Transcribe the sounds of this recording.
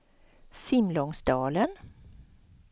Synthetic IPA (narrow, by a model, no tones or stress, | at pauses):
sɪmlɔŋsd̪ɑːlən